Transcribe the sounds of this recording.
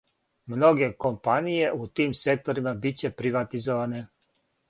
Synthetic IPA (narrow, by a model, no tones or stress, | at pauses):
mno̞ɡe̞ko̞mpanije̞ʔut̪iːmse̞k̚t̪oɾimabit͡ɕe̞pɾiʋat̪izoʋane̞